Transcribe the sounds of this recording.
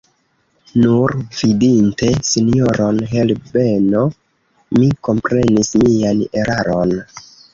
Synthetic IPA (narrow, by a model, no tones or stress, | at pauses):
nuɾv̥idinte̞sinijoɾo̞nɦe̞lbe̞no̞ | miko̞mpɾe̞nismiane̞ɾaɾo̞n